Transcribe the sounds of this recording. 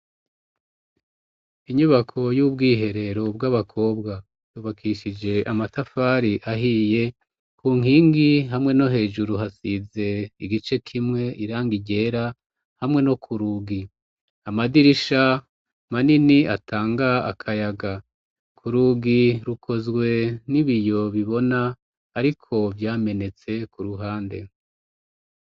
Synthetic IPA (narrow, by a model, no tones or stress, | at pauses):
iɲuβakʰo̞jub̚ɡiːɦe̞ɾe̞ɾo̞b̚ɡaβakʰo̞ːbɡa | juːβakʰiʃid͡ʒe̞ʔamatafaɾiʔaɦije̞ | kuːŋ̥iːŋɡiɦamŋe̞no̞ɦe̞ːʒuɾuɦasize̞iɡit͡ʃe̞kʰimŋe̞ʔiɾaːŋɡiɟe̞ːɾa | hamŋe̞no̞kʰuɾuːɡi | amadiɾiʃa | maniniatʰaːŋɡa̰ːkʰajaɡa | kʰuɾuːɡiɾukʰo̞zɡwe̞niβijo̞βiβo̞naː | ɾikʰo̞vjaːme̞ne̞t͡se̞kuɾuɦaːnde̞̰